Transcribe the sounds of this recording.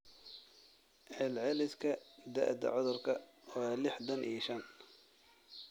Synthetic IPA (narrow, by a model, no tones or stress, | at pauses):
ʕɛlʕɛlɪskʰɐd̪ɐ̰ʔd̪ɐ̰ʕɔðʊrkʰɐwɑːlɪħd̪ɐnʔḭːʃɐn